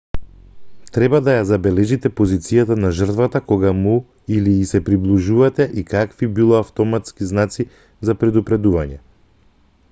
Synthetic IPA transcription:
t̪ɾɛbad̪ajazabɛlɛʒit̪ɛpozit̪sijat̪anaʒrt̪vat̪akɔɡamu | iliːsɛpɾiblˠiʒuvat̪ɛʔikakvibilˠɔaft̪ɔmat̪skiznat̪si | zapɾɛd̪upɾɛd̪uvaɲɛ

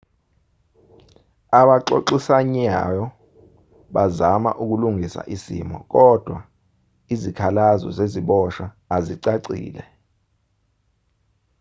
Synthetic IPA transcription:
aɓaǃo̰ǃisaɲajɔ | ɓazama̰ʔuk̬uluŋisa̰ʔisḭmɔ̰k̬ɔd̥ʱwa | izikʰalazɔ̰zeziɓɔʃaː | ziǀaǀḭːlɛ

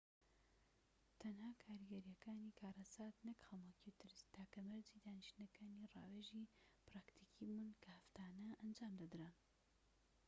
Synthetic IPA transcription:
t̪ʰɐnhaːkʰaːɾiɡɐɾijɐkaːniːkʰaːɾɐsaːt̪nɨkxɐmɐkit̪ɨɾst̪aːkɐmɐɾzid̪aːniʃt̪nɐkaːnirɑ̰ːweʒipɾaːkt̪ʰikʰimɨnkʰɐhɐft̪aːnɐʔɐnd͡ʒaːmd̪ɐd̪ɾa

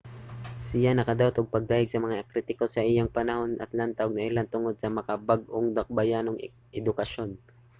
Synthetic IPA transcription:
sɪjanɐkɐd̪awt̪oɡ̚pɐɡ̚d̪aːjɪɡ̚sɐmɐŋakɾit̪ɪko̞sɐʔɪjaŋpɐnɐho̞nʔɐ̰t̪lant̪ɐʔoɡ̚nɐʔɪlant̪ʊŋo̞d̪̚sɐmɐkabaɡ̚ʔoŋd̪ɐk̚bɐjanoŋ | ʔɛd̪ʊkɐʃo̞n

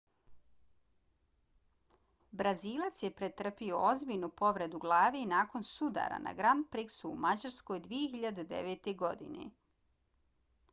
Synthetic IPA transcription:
bɾaziːlˠat̪sjepɾet̪r̩pio̞ozbiʎnupo̞ʋɾe̞d̪uɡlˠaːʋenaːko̞nsud̪a̰ɾa̰na̰ɡɾand̪̚pɾiksṵːmad͡ʑaɾsko̞jd̪ʋijexiʎad̪ed̪e̞̰ʋet̪eɡo̞d̪ḭnḛ

